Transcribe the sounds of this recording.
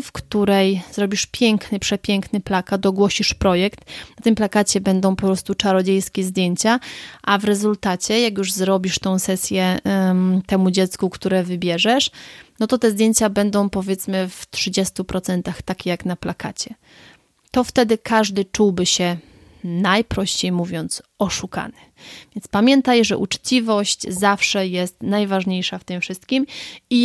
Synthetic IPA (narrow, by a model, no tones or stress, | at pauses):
fkt̪uɾɛjzɾɔbʲiʂpʲjɛŋknɘpʂɛpʲjɛŋknɘplakat̪̚d̪ɔɡwɔɕiʂpɾɔjɛkt̪nat̪ɘmplakat͡ɕɛbɛnd̪ɔ̃w̃pɔpɾɔst̪ut͡ʂaɾɔd͡ʑejskʲɛzd̪ʲjeɲt͡ɕaʔavɾɛzult̪at͡ɕɛjakjuʐzɾɔbʲiʂt̪ɔ̃w̃sɛsʲjɛ | t̪ɛmud͡ʑɛt̪skukt̪uɾɛvɘbʲjɛʐɛʂnɔt̪ɔt̪ɛzd̪jeɲt͡ɕabɛnd̪ɔ̃w̃pɔvʲjɛt̪smɘft̪ʂɘd͡ʑɛst̪upɾɔt̪sɛnt̪axt̪akʲejaknaplakʰat͡ɕɛ | t̪ɔft̪ɛd̪ɘkʰaʐd̪ɘt͡ʂuwbɘɕɛ | najpɾɔɕt͡ɕejmuvʲjɔnt̪sɔʂuka̰nɘ̥ | v̥ʲjɛnt̪spamʲjɛnt̪ajʐɛ̰ʔut͡ʂt͡ɕivɔɕt͡ɕzafʂɛjɛst̪najvaʐɲejʂaft̪ɘmfʂɘst̪̚kʲimi